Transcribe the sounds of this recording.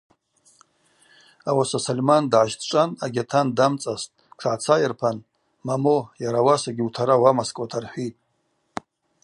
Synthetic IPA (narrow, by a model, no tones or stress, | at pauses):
awasasalmandʕaʃtʰt͡ʃʷʼanaɡʲatʰandamt͡sʼaztʼʈ͡ʂʰaʕt͡sʰajarpʰan | mamojaɾawasaɡʲiutʰaɾawamaskʼatʰarħʷitʼ